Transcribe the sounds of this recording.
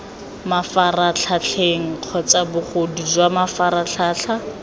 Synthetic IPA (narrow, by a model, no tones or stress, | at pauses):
mafarat͡ɬʰat͡ɬʰeŋ̩q͡χʰɔt͡sabʊχodid͡ʒwamafaɾaɬʰaːɬʰa